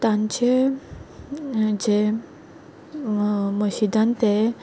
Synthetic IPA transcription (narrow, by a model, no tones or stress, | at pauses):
t̪ãɲt͡ɕe | d͡ʑe | məɕid̪ãnt̪e